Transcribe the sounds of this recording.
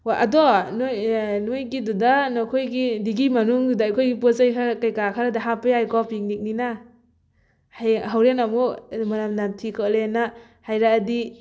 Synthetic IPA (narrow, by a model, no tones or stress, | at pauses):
aʔa̰dɔnjnujɡidudanɔkʰojɡidiɡimanuŋdudaajkʰojɡipɔsajkʰaɾkajkakʰaɾadaɦapɯjajkɔpiŋ̚nik̚nina | hajɦawɾenamumaɾamnatʰikʰɯlena | hajɾaːdi